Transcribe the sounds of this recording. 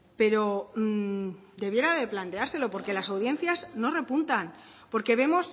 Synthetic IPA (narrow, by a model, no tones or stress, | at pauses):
pe̞ɾo̞ | d̪e̞βje̞ɾaðe̞plant̪e̞aɾse̞lo̞po̞ɾke̞lasawð̞je̞n̟θjazno̞re̞punt̪an | po̞ɾke̞βe̞mo̞s